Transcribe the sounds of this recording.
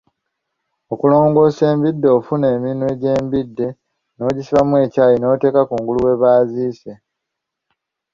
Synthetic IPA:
o̞kulo̞ːŋɡo̞ːse̞ːmbidːoːfune̞ːminwe̞ɟe̞ːmbidːe̞ | no̞ːɟisiβamue̞ːcaːjino̞ːte̞ːkakuːŋɡuluwe̞βaːziːse

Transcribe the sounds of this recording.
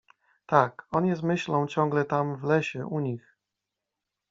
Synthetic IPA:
t̪akɔnjɛsmɘɕlɔ̃w̃t͡ɕɔ̃ŋɡlɛt̪amvlɛɕɛʔuɲix

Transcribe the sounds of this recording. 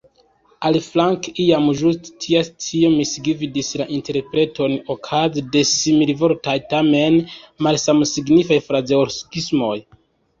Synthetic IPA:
aliflaŋkiamʒusttʰiastʰio̞misiɡividislaʔinte̞ɾpɾe̞tʰo̞nokʰazide̞similvo̞ɾtajtame̞nmalsamsiɡnifajfɾazeoskismo̞j

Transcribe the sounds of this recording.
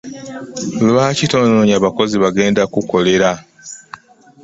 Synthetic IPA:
lβaːcito̞ːnoɲaβako̞ziβaɡe̞ːndakuko̞le̞ɾa

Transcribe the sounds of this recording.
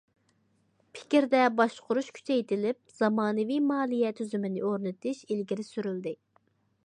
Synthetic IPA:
pʰɪ̥kʲiɾd̪ɛbɑʃqʊɾuʃkʲʰy̥t͡ʃɛjt̪ɪlɪp̚z̥ɑmɑːnɨvijmɑːlˠijɛt̪ʰyzymɪnɪoɾnɨt̪ʰɪʃilɡʲiɾɪsyɾyld̪ɪ

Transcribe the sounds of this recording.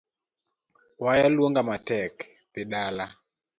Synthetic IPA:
wajalwoŋɡamatɛk | pɪɗala

